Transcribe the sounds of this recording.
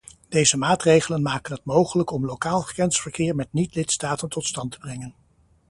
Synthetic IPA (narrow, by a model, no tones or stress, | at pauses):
d̥ejzəmaːtrejχələnmaːkənɦətmowχələkɔmlokaːlˠχə̥kɛnsfəɹkɪːɹmɛt̚nitlɪtstaːtəntɔtstɑntə̥brɛŋən